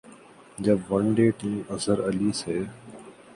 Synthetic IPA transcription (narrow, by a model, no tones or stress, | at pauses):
d͡ʒəbʋənɖeːʈiːməzəɾəliːseː